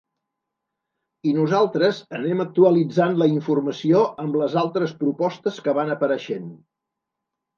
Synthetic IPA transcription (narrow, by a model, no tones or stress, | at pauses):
inuzalˠt̪ɾəzənɛmək̚t̪uəlid͡zanləiɱfurməsioəmbləzalˠt̪ɾəspɾupɔst̪əskəβanəpəɾəʃen